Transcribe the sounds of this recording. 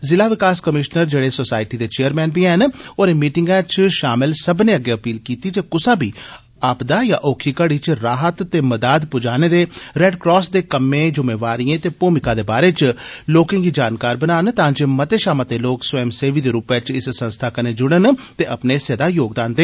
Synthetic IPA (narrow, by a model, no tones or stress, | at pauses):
zɪlaːʋɪkaːskəmɪʃnəɾd͡ʒeːɽeːsosaːɪʈiːd̪eːt͡ʃeːəɾmɛ̃ːnbiɛnoːɾeːmiːʈɪŋɡɛːt͡ʃʃaːmɪlsəbneːəɡːeːəpiːlkiːt̪iːd͡ʒ̪eːkʊsaːbiː | aːpd̪aːjaːʔoːkʰiːkəɽiːt͡ʃɾaːɦət̪t̪ːeːməd̪aːd̪pʊd͡ʒaːneːd̪eːɾɛːɖkɾɔːsd̪eːkəmːẽːd͡ʒʊmeːʋaːɾijẽːt̪eːpoːmɪkaːd̪eːbaːɾeːt͡ʃloːkãːɡiːd͡ʒaːnkaːɾbənaːnt̪ãːd͡ʒeːmət̪eːʃaːmat̪eːloːkswɛːmseːʋiːd̪eːɾuːpet͡ʃɪssə̃nst̪ʰaːkəneːd͡ʒʊɽ̃ənt̪eːʔəpneːsəd̪aːjoːɡd̪aːnd̪eː